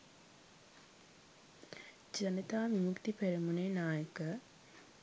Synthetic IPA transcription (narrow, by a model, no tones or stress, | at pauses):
d͡ʒənət̪aːmimukt̪ipeɾimuneːnaːjəkə